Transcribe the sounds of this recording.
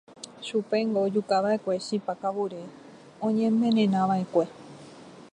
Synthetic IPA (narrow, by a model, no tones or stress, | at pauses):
ʃupe̞ŋɡo̞d͡ʒukaʋae̞kʷe̞ʃipakaβuɾe̞ | õɲẽmẽ̞ɾẽnãʋae̞kʷe̞